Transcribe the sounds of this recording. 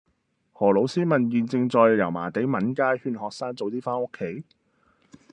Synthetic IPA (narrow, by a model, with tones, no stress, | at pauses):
hɔː˨˩lo˨˥wsiː˥mɐ˨njiː˨nt͡sɪ˧ŋt͡sɔː˨˧jjɐ˨˩wma̰ː˨˩t̪e˨˥jmɐ˨˥nkaː˥jhyː˧nhɔː˨k̚saː˥ŋt͡so˨wt̪iː˥faː˥nʊ˥kʰːe˨˥j